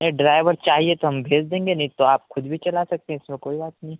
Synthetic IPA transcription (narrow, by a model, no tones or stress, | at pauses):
nɐiɖɾaːɪʋəɾt͡ʃaːɦiet̪oɦɐmbʱeːd͡ʒd̪ẽːŋɡenɐɦĩt̪oaːpxʊd̪bʱit͡ʃɐlasɐk̚t̪eɦɛ̃ɪsmẽkoːibaːt̪nɐɦĩ